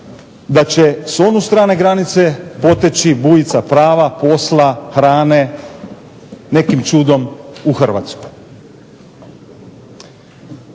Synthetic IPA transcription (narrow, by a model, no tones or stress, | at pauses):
d̪at͡ɕeso̞nust̪ɾaːne̞ɡɾanit̪se̞po̞t̪et͡ɕibuːjit̪sapɾaːʋapo̞slˠaxɾaːne̞ | ne̞kimt͡ʃuːd̪o̞muxr̩ʋa̰t̪sko̥j